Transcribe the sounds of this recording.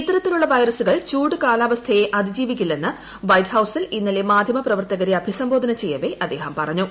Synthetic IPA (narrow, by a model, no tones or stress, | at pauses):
it̪ːɐɾɐt̪ːiluɭːɐʋɐjɾɐsuɣɐɭt͡ɕuːʈɨkaːlaːʋɐst̪ʰɐjeʔɐd̪ʱid͡ʑiːʋikʲːilːe̞nːɨ | ʋɐjʈhɐwsilinːɐle̞maːd̪ʱjɐmɐprɐʋɐrt̪ɐɣɐɾiɐbʱisɐmboːd̪ʱɐnɐt͡ɕe̞jːɐʋe̞ʔɐd̪ːe̞ːhɐmpɐrɐɲːu